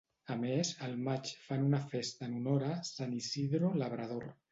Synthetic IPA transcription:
əmezəlˠmat͡ʃfanunafest̪ənunoɾasanisiðɾoləβ̞ɾað̞oɾ

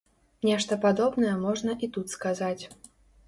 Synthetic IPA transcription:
nʲɛʂt̪ɐpad̪ɔbnɐjɛmɔʐnɐʔit̪ut̪skazat͡sʲ

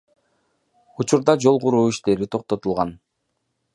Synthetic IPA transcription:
ut͡ʃuɾd̪ɑd͡ʒo̞lˠʁuɾuːiʃt̪e̞ɾit̪ʰo̞q̚t̪o̞t̪ulˠʁɑn

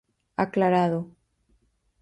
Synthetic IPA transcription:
a̰klaɾaðo

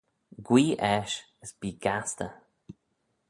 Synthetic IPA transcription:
ɡwiːʔɛʃ | əsb̥iːɡ̥ast̪ə̰

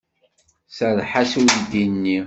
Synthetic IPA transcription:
sæðħasuðd̪inːi

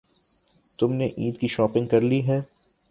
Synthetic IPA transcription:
t̪ʊmneʔiːd̪kiʃɔːpɪ̃ŋɡ̚kɐɾliɦɛ̃ː

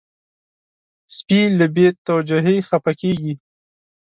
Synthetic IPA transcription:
spiləbet̪awad͡ʒʊɦexapakeɡi

